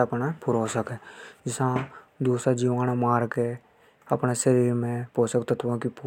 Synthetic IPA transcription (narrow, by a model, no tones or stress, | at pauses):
əpnapʊɾoːsəked͡ʒɪsãd̪uːsɾad͡ʒiːʋaːñamaːɾke | əpneʃəɾiːɾmẽpoːsəkt̪ət̪ʰʋãkipː